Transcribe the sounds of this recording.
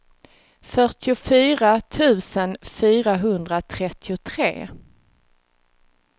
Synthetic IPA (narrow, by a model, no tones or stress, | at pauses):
fœʈʰɪʊfyːɾat̪ʰʉ̟ːsənfyːɾaɦɵnd̪ɾat̪ʰɾɛt̪ʰːɪʊt̪ʰɾḛː